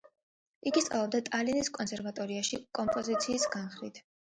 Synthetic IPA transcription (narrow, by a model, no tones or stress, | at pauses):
iɡist̪sʼa̰lˠɔbd̪at̪ʼaliniskʼɔnsɛɾvat̪ʼɔɾiaʃikʼɔmpʼɔzit̪sʰiːsɡanχɾḭt̪ʰ